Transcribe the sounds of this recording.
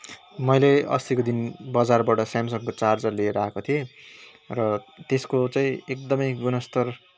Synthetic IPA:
mʌjleʌ̰st̪ikod̪inbʌd͡zarbaʈʌsjamsʌŋkot͡sard͡zʌrleɾaekot̪ʰie | rʌt̪eskot͡saĩek̚d̪ʌmʌjɡunʌst̪ʌr

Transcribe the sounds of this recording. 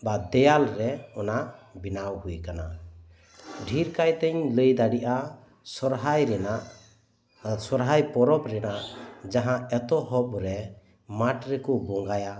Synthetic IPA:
bad̪ɛjalɾɛɔnabinawhujkana | ɖʱiɾkajt̪ɛɲləjd̪aɽiʔa | sɔɾɦajɾɛnaʔ | sɔɾɦajpɔɾɔpɾɛnaʔd͡ʒaɦãɛt̪ɔɦɔpɾɛ | maʈɾɛkɔbɔŋɡaja

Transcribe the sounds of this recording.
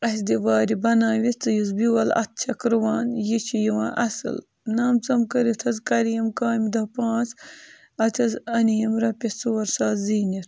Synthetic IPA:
ɐs̬d̪iʋaːɾibɐnaːʋit͡sɨjizbiwɐlɐ̰t̪̚t͡ʃʰɐkɾɨwaːnjit͡ʃʰijiwãːʔɐsɨ̰l | naːmt͡sɐmkɐɾit̪ʰɐzkɐɾijɐmkaːmd̪ɐpãːt͡s | ɐt̪ʰʲɐzɐnijɐmɾɐpʲet͡suwɐɾsaːziːnit̪

